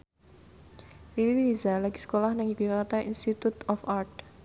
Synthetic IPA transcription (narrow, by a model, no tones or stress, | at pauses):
ʔilizalaɡ̥i̥sə̥kolahnɪŋikuakat̪aʔinst̪it̪ut̪ɔfart̪̚